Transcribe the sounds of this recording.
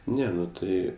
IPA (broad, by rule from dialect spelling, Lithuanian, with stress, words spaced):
ˈnʲɛ ˈnʊ ˈtɐɪ